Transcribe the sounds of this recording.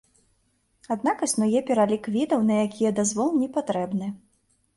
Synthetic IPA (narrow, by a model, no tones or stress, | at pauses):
ad̪nakɐsʲnɔjɛpʲɛɾalʲikvʲid̪ɐwnɐjakʲijɐd̪azvɔlˠnʲɛpat̪ɾɛbnɨ